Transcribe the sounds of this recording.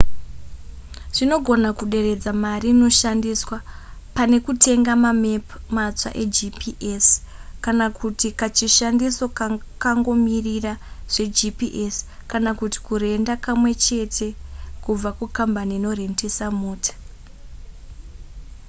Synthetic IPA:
ʐ̥ino̞ɡʱo̞nakuɗe̞re̞d͡zamariːno̞ʃandiswapane̞kutʰe̞ŋɡamamepmat͡sa̰ʔe̞d͡ʒipiʔes | kanakʰutikat͡ʃiʃandiso̞kaŋɡo̞miriraʐ̥e̞d͡ʒipiʔeskanakuti̥kuɾe̞ndakamwe̞t͡ʃe̞tʰe̞kub͡vakukambaniːno̞re̞ndesamoːtḁ

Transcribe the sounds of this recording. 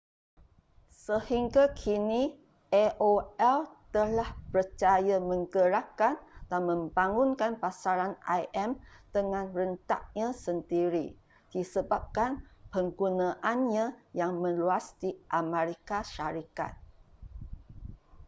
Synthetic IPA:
səhiŋɡakʰini | ʔɛʔoɛlt̪əlahpərt͡ʃajamə̃ŋɡəɾakand̥anmə̃mbaŋunkanpasaɾanʔajʔɛmd̥əŋãnrənt̪a̰ʔ̚ɲãsəndiɾi | d̥isəbap̚kanpəŋɡunãʔanɲãjaŋmə̃nluasdiʔamẽɾikaʃaɾika̰t̪̚

